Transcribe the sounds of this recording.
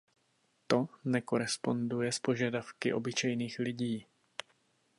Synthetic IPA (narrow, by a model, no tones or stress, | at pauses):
t̪o̞nɛko̞ɾɛspo̞ndujɛspo̞ʒadafkɪʔo̞bɪt͡ʃɛjniːxlɪɟiː